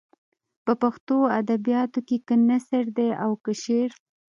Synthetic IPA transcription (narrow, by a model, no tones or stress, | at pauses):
pəpaxt̪oad̪abijɑt̪okekənasəɾd̪eawkəʃeɾ